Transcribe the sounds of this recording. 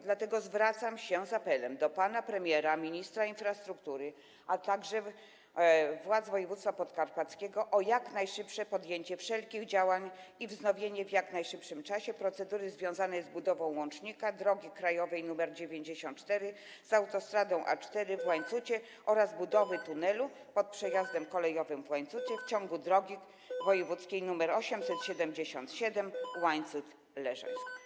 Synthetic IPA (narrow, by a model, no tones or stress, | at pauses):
d̪lat̪ɛɡɔzvɾat̪samɕɛzapɛlɛmd̪ɔpanapɾɛmʲjɛɾamʲiɲist̪ɾainfɾast̪ɾukt̪uɾɘ | ʔat̪aɡʐɛ | vwad̪zvɔjɛvut̪st̪fapɔt̪kaɾpat̪skʲeɡɔʔɔjaknajʂɘpʂɛpɔd̪jeɲt͡ɕɛfʂɛlkʲiɣd͡ʑawaɲivznɔvʲjeɲɛvjaknajʂɘpʂɘmt͡ʂaɕɛpɾɔt̪sɛd̪uɾɘzvʲjɔ̃w̃zanɛjzbud̪ɔvɔ̃w̃wɔ̃nt͡ʂɲikad̪ɾɔɡʲikɾajɔvɛjnumɛɾd͡ʑevʲjeɲd͡ʑeɕɔ̃nt̪t͡ʂt̪ɛɾɘ | z̥awt̪ɔst̪ɾad̪ɔ̃w̃ʔa̰t͡ʂt̪ɛɾɘvwaɲt̪sut͡ɕɛ | ʔɔɾazbud̪ɔvɘt̪unɛlu | pɔt̪̚pʂɛjazd̪ɛmkɔlɛjɔvɘmvwaɲt̪sut͡ɕɛft͡ɕɔŋɡud̪ɾɔɡʲi | vɔjɛvut̪skʲejnumɛɾɔɕɛmsɛt̪ɕɛd̪ɛmd͡ʑeɕɔ̰nt̪ɕɛd̪ɛmwaɲt̪sut̪ | lɛʐɛ̰